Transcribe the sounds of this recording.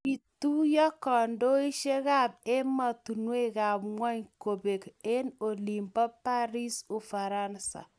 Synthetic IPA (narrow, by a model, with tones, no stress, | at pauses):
i˨tu˦jɔ˦kɔ˨ndo˦i˦ʃe˦ɣa˦˨p̚e˦ma˨tu˨nwe˦ka˨pŋwa˦ɲko˨be˨ke˦no˨li˨mbɔ˦pa˦ɾi˦su˨fa˨ɾa˦nsa̰˨